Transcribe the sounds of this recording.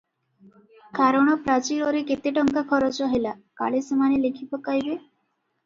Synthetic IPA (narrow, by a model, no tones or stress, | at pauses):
kʰaɾəɳ̃ɔpɾat͡ɕiɾoɾeket̪eʈəŋkakʰɔɾɔt͡sɔɦəjlaka̰ɭesəmanelekʰipəkːajbe